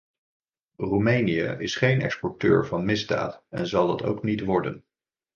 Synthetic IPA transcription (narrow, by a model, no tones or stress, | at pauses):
rumejniə̰ʔɪsχejnɛ̰kspɔɹtø̰ːɹvɑnmɪzda̰ːtɛ̰nzɑlˠdɑto̰wknitʋɔɹdən